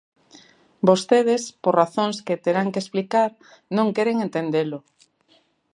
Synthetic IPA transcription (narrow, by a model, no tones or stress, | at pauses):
bost̪eð̞espoɾraθõŋsket̪eɾaŋkeːsplikaɾ | nõŋkeɾeŋent̪end̪elʊ